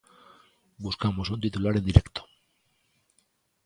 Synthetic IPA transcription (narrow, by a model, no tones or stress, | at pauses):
buskamosunt̪it̪ulaɾe̞nd̪iɾe̞kt̪o̥